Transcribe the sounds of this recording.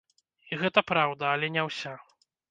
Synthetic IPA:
iɣɛt̪ɐpɾawd̪ɐːlʲɛnʲɛwsʲa

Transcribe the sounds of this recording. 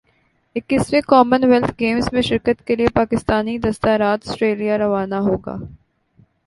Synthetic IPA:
ɪkːɪsmekɔːmənʋɛlt̪ʰɡeːmsmẽʃɪɾkət̪keliepaːkɪst̪aːnid̪ɐst̪aːɾaːt̪ɐsʈɾeːlijaɾɐʋaːnaɦoːɡa̰ː

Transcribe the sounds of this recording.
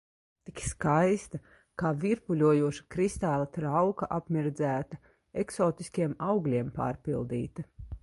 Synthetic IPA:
t̪ikskajst̪a | kaːviɾpulʲuɔjuɔʃḁkɾist̪aːlˠat̪ɾawkaʔapmʲiɾd̪zæːt̪ɐ | eksɔːt̪iskʲiɛmawɡlʲiɛmpa̰ːɾpilˠd̪ḭːt̪ɐ

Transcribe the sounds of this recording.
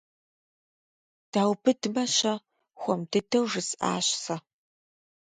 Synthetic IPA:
d̥aːwbɨdɨmɐɕɐ | xʷɔmdɨdʰɐwʐɨsʔa̰ːɕsɐ

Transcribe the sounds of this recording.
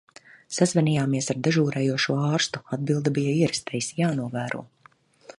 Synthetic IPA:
sazvɛniːjaːmiɛsaɾd̪ɛʒuːɾɛːjuɔʃuɔɑːɾst̪u̥ad̪̚bilˠd̪abijaiɛɾɛst̪ɛjisjaːnuɔvæːɾṵɔ

